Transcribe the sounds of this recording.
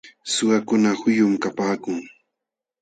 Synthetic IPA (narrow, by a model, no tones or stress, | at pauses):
sʊɢakʊnahʊjʊmkapaːkʊŋ